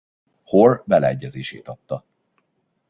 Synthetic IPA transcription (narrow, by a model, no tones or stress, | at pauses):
horbɛlɛɛɟːɛzeːʃḛːt̪ɒt̪ːɒ